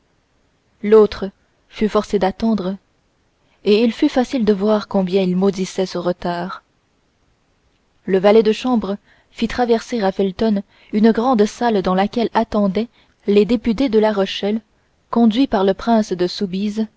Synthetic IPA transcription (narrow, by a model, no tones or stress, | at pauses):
lot̪χə | fyfɔʁsed̪at̪ɑ̃d̪ʁ | eilfyfasild̪əvwaʁkɔ̃bjɛ̃ilmod̪isɛsəʁət̪aːʁ | ləvalɛd̪əʃɑ̃bʁə | fit̪χavɛʁseʁafɛlt̪ɔn | ynɡʁɑ̃d̪sald̪ɑ̃lakʲɛlat̪ɑ̃d̪ɛ | led̪epyt̪ed̪əlaʁɔʃɛl | kɔ̃d̪ɥipaʁləpχɛ̃sd̪əsubiz